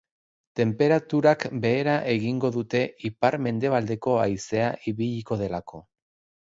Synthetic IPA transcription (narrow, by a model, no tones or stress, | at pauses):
t̪e̞mpe̞ɾat̪uɾakbe̞ːɾaʔe̞ɣiŋɡo̞ðut̪e̞ipaɾme̞nd̪e̞β̞ald̪e̞ko̞ajse̞aʔiβiʎiko̞ð̞e̞lakʰo̞